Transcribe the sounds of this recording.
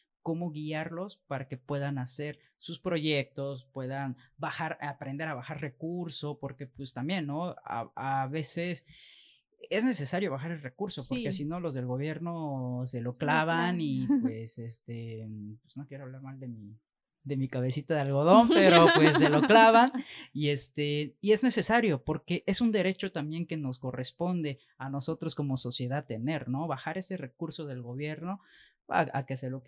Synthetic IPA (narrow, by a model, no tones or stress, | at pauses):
ko̞mo̞ɣiaɾlo̞spaɾake̞pwe̞ðanase̞ɾ | suspɾo̞ʝe̞k̚t̪o̞spwe̞ðanbaxaɾapɾend̪e̞ɾaβaxaɾrekuɾso̞po̞ɾke̞pwest̪ambje̞nːo̞a̰aβe̞se̞s | e̞zne̞se̞saɾjo̞βaxaɾe̞lre̞kuɾso̞poɾesino̞lo̞zðe̞lɣo̞β̞je̞ɾno̞se̞lo̞klaβanipwesest̪epwez̥nokje̞ɾoaβlaɾmald̪e̞mi | d̪e̞mikaβe̞sit̪aðealɣo̞ð̞o̞mpe̞ɾopwesːe̞loklaβanie̞st̪eiezne̞se̞saɾjo̞po̞ɾke̞ʔe̞sund̪e̞ɾe̞t͡ʃo̞t̪ambje̞ŋke̞no̞sko̞respo̞nd̪e̞ | ano̞so̞t̪ɾo̞sko̞mo̞so̞sje̞ðat̪e̞ne̞ɾno̞βaxaɾe̞se̞re̞kuɾso̞ðe̞lɣo̞βje̞ɾno̞ | a̰a̰ke̞se̞lo